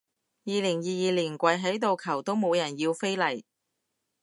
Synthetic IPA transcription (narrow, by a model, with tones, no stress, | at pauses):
jiː˨˧lɪ˨˩ŋjiː˨˧jiː˨˧liː˨˩nkʷɐ˨˧jɦɐ˨˥jt̪̬o˨wkʰɐ˨˩wt̪o˥wmo˨˧wjɐ˨˩njiː˧wfe˥jlɐ˨˩j